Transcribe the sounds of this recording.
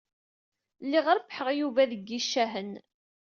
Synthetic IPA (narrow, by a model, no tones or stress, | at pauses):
lːiʁɾpːħəʁjuvæðəɡːiʃːæɦən